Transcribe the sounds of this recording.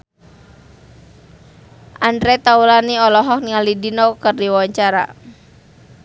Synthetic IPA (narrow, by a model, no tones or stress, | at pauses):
ʔandɾɛt̪aulaniɔlɔɦɔk̚niŋalidinɔkərdiwawaɲt͡ʃaɾa̰